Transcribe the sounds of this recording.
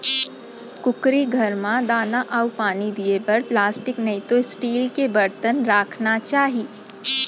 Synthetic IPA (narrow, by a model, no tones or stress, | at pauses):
kʊkɾiɡʱɐɾmãd̪aːnaʔaʊpaːnid̪iepɐɾplaːsʈɪknɐit̪oɪsʈiːlkebɐɾt̪ənɾaːkʰnat͡ʃaːɦiː